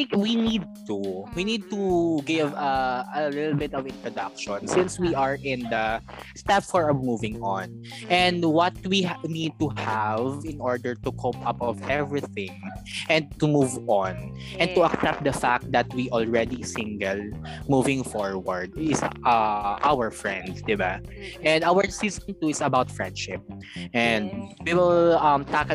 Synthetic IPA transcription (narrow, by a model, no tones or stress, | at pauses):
ɪ̃kwinid̪̚t̪uwinid̪̚t̪uɡɪvɐɐlɪt̪l̩ˠbɪt̪ɔvɪ̃nt̪ɹɔd̪ʌkʃɔ̃nsɪ̃nswiʔaɹʔɪ̃nd̪ɐ | st̪ɛpfɔɹɐmuvɪ̃ŋɔ̃n | ʔɛ̃nd̪wʌt̪̚winid̪̚t̪uhavɪ̃nʔɔɹd̪əɹt̪ukʰopʌpɔvɛvɹiθɪ̃ŋʔɛ̃nd̪̚t̪ʊmuvɔ̃n | ʔɛ̃n̚t̪uɐksɛp̚t̚d̪ɐfak̚t̪̚d̪ɐt̪̚wiʔɔlɹɛd̪isɪ̃ŋɡɛlmuvɪ̃ŋfɔɹwɐɹd̪̚ɪsʔʌʔawəɹfɹɛ̰̃nd̪d̪ɪbaʔɛ̃nd̪awə˞sizɔ̃nt̪uɪsɐbawt̪fɹɛ̰̃nd̪ʃɪp̚ʔɛ̃nd̪̚wiwɪlɐmt̪ak